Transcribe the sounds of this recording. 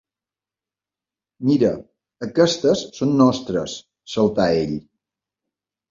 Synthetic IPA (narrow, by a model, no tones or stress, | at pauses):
miɾə | əkɛst̪əsːonːɔst̪ɾə̰sː | əlˠt̪aeʎ